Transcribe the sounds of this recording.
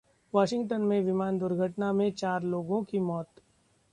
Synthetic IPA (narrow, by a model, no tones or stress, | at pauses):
ʋaːʃɪ̃ŋɡʈənmẽʋɪmaːnd̪ʊɾɡʱəʈnamẽt͡ʃaːɾloːɡõkimɔːt̪